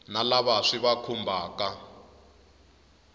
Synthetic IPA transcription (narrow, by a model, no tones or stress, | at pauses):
nalaβaʂiβakʰumbʱaːka